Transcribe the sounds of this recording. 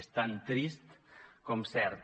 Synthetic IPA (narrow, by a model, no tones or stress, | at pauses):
st̪ant̪ɾist̪komsɛɾt̪